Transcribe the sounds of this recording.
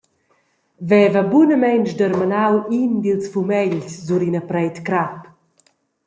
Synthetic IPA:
vɛvəbunəmɛnt͡ʃd̪əɾmanawind̪ilsfumɛʎszuɾinəpɾɛjt̪kɾap

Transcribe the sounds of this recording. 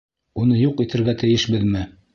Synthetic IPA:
unɤjuqit̪ʰɘ̆ɾɡæt̪ɘ̆jɘʃbɘðmɘ

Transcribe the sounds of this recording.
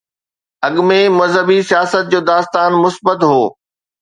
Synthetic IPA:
ɐɠmẽmɐzɦəbisijaːsət̪̚d͡ʑoːd̪aːst̪aːnmʊsbət̪ɦoː

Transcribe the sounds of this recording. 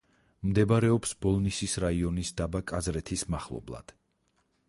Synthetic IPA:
md̪ɛbaɾɛɔpsbɔlˠnisisɾaiɔnisd̪abakʼazɾɛt̪ʰismaχlˠɔ̰blˠa̰d̪̥

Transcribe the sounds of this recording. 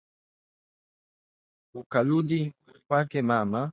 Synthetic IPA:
ukaludi | kwakɛmama

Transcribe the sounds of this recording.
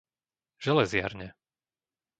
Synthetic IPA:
ʒ̥ɛlɛzɪa̰ɾɲɛ

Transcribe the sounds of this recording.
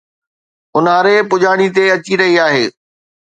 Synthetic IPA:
ʊnaːɾepʊʄaːɽ̃it̪eɐt͡ɕiɾɐɦiaːɦeː

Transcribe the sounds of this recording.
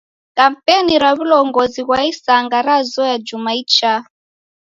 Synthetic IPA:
kam̩pɛniɾaβulɔŋɡɔziɣwaisaŋɡaɾazɔjad͡ʒumait͡ʃa

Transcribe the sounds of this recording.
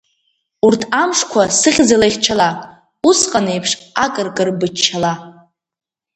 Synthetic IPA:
urtʰamʂkʷʰasɨχʲd͡zalajχʲt͡ʃʰala | usqʼane̞jpʰʂakʼɨrkʼɨrbɨt͡ʃʰːala

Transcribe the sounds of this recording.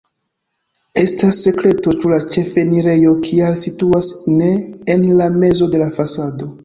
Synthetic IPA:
e̞stasːe̞kle̞to̞t͡ʃulat͡ʃe̞fe̞niɾe̞jo̞kʰialsituasne̞ːnlame̞zo̞de̞lafasado̞

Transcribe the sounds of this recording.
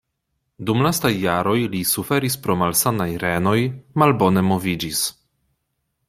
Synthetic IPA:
dumlastajːaɾo̞jlisufe̞ɾispɾo̞malsanajɾe̞no̞jmalbo̞ne̞mo̞vid͡ʒis

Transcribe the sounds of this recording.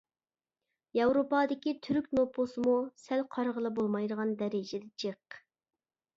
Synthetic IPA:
jɑwɾopɑd̪ɪkʲit̪ʰyɾyk̚ʲnopʰosɨmusælqʰɑɾʁəlˠəbolˠmɑjd̪əʁɑnd̪ɛɾɪd͡ʒɪd̪ɛt͡ʃʰəq

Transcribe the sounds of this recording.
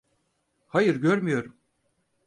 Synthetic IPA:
hajɯɾɟøɾmyjo̞ɾum

